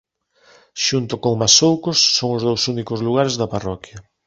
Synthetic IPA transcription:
ʃunt̪okoŋmasowkosːoŋozðowsunikozluɣ̞aɾezðɐparɔkjɐ

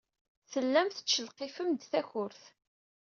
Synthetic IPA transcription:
θəlːæmθə̥t͡ʃːəlqefəmd̪θæçʊɾθ

